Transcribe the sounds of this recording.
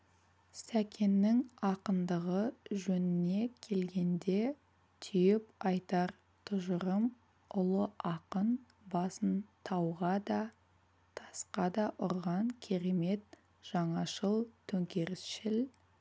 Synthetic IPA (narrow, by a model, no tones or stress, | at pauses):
sækʲʰe̞nːɪŋɑqənd̪əʁəʒɵnɪne̞kʲʰe̞lɡʲe̞nd̪e̞ | t̪ʰʏjɪpɑjt̪ɑɾ | t̪ʰʊʒəɾəm | ʊlˠəʔɑqən | bɑsənt̪ʰɑwʁɑd̪ɑ | t̪ʰɑsqɑd̪ɑʔʊɾʁɑŋkʲʰe̞ɾe̞me̞t̪̚ | ʒ̥ɑɴɑʃəlˠt̪ʰɵŋkʲe̞ɾɪsʃɪl